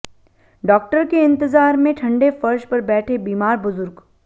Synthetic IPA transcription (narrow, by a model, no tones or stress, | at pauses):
ɖɔːk̚ʈəɾkeɪ̃nt̪ɪzaːɾmẽʈʰɐ̃ɳɖefɐɾʃpɐɾbɛːʈʰebiːmaːɾbʊzʊɾɡ